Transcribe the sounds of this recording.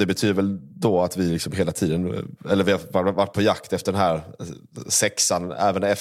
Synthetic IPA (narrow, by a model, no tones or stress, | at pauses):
d̪ɛbɛt̪ʰyːd̪ɾvɛld̪ɔat̪vɪlɪksɔmɦeːlat̪ʰiːd̪ənɛlːəɾvɪhavavaʈ̚ːpʰɔjakt̪ɛft̪əɖɛnɦæːɾ | sɛksanɛ̰ːvənɛf